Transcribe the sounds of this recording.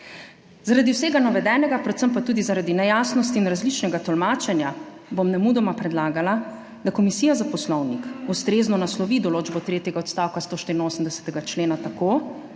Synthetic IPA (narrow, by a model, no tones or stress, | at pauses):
zaɾad̪iwseːɡanaʋɛd̪ɛːnɛɡapɾɛt̪səmpat̪uːd̪izaɾad̪inɛjaːsnɔst̪iːnɾazlit͡ʃnɛɡat̪ɔlmaːt͡ʃɛnja | bomnɛmud̪ɔmapɾɛd̪laːɡala | d̪akɔmisiːjazapɔslɔwnikust̪ɾeːznɔnaslɔʋid̪ɔloːd͡ʒbɔt̪ɾeːt̪jɛɡaɔt̪st̪aːwkast̪oːʃt̪iɾinoːsəmd̪ɛsɛ̥t̪ɛɡat͡ʃleːnat̪akoː